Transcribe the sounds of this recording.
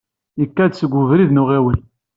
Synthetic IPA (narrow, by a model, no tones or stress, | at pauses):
əkːæd̪səɡʷːʊvɾiðnʊʁewin